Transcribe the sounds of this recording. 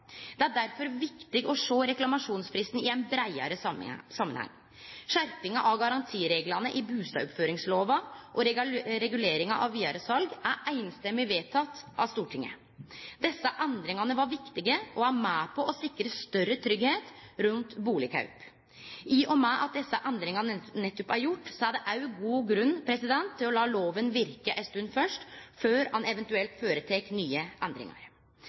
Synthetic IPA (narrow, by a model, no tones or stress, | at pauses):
d̪̥ɛæɖæɾfɔɾʋɪkt̪ɪɡɔʂoːɾɛklɑmɑʂuːnsfɾɪst̪n̩ɪænbɾæɪɑ̰ɾəsɑmːənhɑ̰ŋː | ʂæɾpɪŋɑʔɑʋɡɑɾɑnt̪ʰiːɾeːɡlɑnəʔɪbʉːst̪ɑ̰ɔpføːɾɪŋsloːʋɑʔɔɾɾɛɡʉleːɾɪŋɑʔɑʋʋiːɑɾəsɑlɡæɾʔæɪnst̪ɛmːɪʋeːt̪ʰɑt̪ːʔɑʋst̪uːʈʰɪŋːə̰ | d̪̥ɛsːɑʔɛnd̪ɾɪŋɑnəʋɑɾʋɪkt̪ɪɡəʔɔæmæːpʰɔʔɔsɪkːɾəst̪œrːət̪ʰɾʏɡheːt̪ɾʉnt̪buːlɪkʰɑ̰ʉp | ʔɪːʔɔmæːʔɑ̰t̪̚d̪ɛsːɑʔɛnd̪ɾɪŋɑnnɛt̪ːʉpæɾjʊʈːsɔæɖɛʔɑʉɡuːɡɾʉnːpʰɾɛsɪd̪ɛnt̪ʰːɪlɔlɑːloːʋənʋɪɾkəʔɛst̪ʉnfœʂʈføːɾhɑnɛʋɛnt̪ʉɛlt̪føːɾət̪ʰɛknyːəʔɛnd̪ɾɪ̰ŋɑ̰ɾ